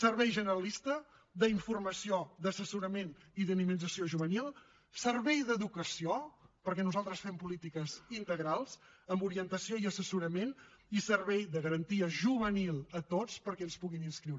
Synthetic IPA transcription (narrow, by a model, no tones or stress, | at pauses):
sərβɛjʒənəɾəlist̪ə | d̪əiɱfurməsioðəsəsuɾəmeniðəniminzəsioʒuβənilˠ | sərβɛjðəðukəsiopəɾkɛnuzalˠt̪ɾəsfɛmpulit̪ikəzint̪əɣɾalˠzəmbuɾiənt̪əsioiəsəsuɾəmen | isərβɛjðəɣəɾənt̪iəʒuβənilˠət̪ot͡spəɾkɛənspuɣininskɾiwɾ